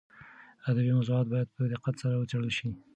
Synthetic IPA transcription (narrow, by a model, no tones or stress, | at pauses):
ad̪abimazuɑt̪̚bɑjad̪̚pəd̪ɪqat̪saɾawət͡saɽəlʃi